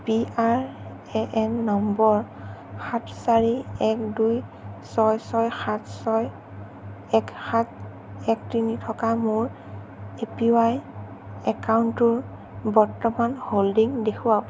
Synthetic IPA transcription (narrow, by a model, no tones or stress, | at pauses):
piaɹ | ɛʔɛnːɔmbɔɹ | xatʰsaɹiɛkdujsɔjsɔjxatʰsɔj | ɛkxat | ɛktinitʰɔkamʊɹ | epiwaj | ɛkawntʊɹ | bɔɹtɔmanholdiŋdekʰua